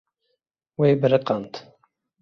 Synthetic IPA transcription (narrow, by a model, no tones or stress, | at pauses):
weːbɨɾɨqɑnt̪